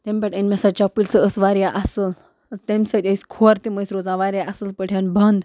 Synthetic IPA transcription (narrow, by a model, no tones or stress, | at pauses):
t̪ẽmpɛʈənmʲasat͡ɕapilsəəsʋaɾjaʔasəl | t̪emsət̪ʲeiskʰoaɾt̪iməjsɾod͡zãʋaɾjaasəlpəɽʰʲjanbʱənd̪